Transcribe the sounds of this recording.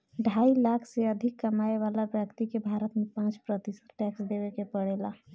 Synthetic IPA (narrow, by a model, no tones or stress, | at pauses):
ɖʱaːilaːkʰseəd̪ʱɪkːəmaːeʋaːlabjəkt̪ikebʱaːɾət̪mẽpãːt͡ʃpɾət̪ɪsə̥t̪ʈɛksd̪ewekepəɽeːla